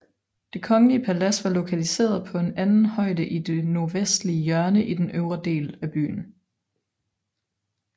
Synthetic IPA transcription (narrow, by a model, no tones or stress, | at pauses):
d̥e̝kʰɒ̽ŋəliəpʰælæsʋɑ̈lo̝kʰælise̝̰ːɐð̩ˠpʰɒ̽e̝nænn̩hɒ̽ɪ̰d̥əʔid̥e̝no̝ɐʋesd̥liəjɶɐnəʔid̥enʔøʊʁɐd̥e̝̰ːlæb̥y̰ːn̩